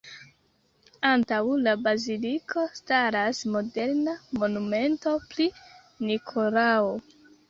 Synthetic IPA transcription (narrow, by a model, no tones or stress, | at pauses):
antawlabazilikʰo̞staɾasmo̞de̞ɾnamo̞nume̞nto̞pli | nikʰo̞lao